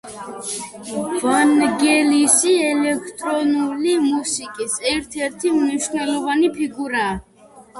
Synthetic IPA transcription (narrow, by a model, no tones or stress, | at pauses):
vanɡɛlisiɛlɛkʰt̪ʼɾɔnulimusikʼisɛɾt̪ʰɛɾt̪ʰimniʃnɛlˠɔvanipʰiɡuɾaː